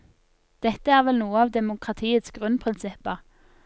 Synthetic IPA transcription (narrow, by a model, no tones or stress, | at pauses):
d̪̥ɛt̪əæːʁʋɛlnuːəɑːʋd̪ɛmʊkʰʁɑt̪ʰiːət̪sɡʁʉnpʰʁɪnsɪpːəʁ